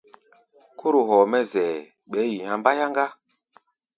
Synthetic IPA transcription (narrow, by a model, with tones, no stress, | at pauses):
kʰo˦ɾo˨ɦɔː˨mɛ˦zɛ˨ | ɓɛ˨˦ji˨hã˨mba˦ja˦ŋɡa˦